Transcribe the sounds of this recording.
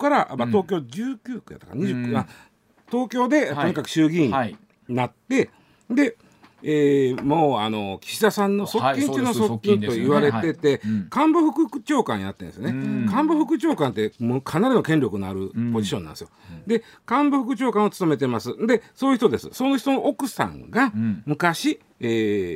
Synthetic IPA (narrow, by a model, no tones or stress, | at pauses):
kaɾaʔmat̪o̞ːkʲo̞ːd͡ʑɨːkʲɨːkɯja̰t̪ːaka̰ɲiɨkːɯa | t̪o̞ːkʲo̞ːd̪e̞oɲ̟ikakɯ̟̥ɕɨːɡʲĩɲ | nat̪ːe̞ | d̪e̞ | eːmoːano̞kʲi̥ɕid̪asãnːo̞so̞kkʲːĩŋkʲɨnoso̞kʲːĩnoiβaɾe̞t̪e̞t̪e̞kãmboɸɯ̟kɯ̟kt͡ɕo̞ːkã̰ɰ̃ja̰t̪ːend̪esɨjonekãmboɸɯ̟kɯ̟t͡ɕo̞ːkãnt̪̬ːe̞mokʰanaɾʲino̞kẽ̞nɾʲo̞kɯ̟noa̰ɾɯ̟po̞d͡ʑiɕonã̰nd̪esɨjod̪e̞ | kãmboɸɯ̟kɯ̟t͡ɕo̞ːkãɰ̃o̞t͡sɨ̥t̪o̞me̞t̪̬emasɨd̪e̞soːji̟çi̥t̪od̪e̞sɨ̥̰so̞no̞çi̥t̪o̞noʔokɯ̟sã̰ŋɡamɯ̟kaɕi | eː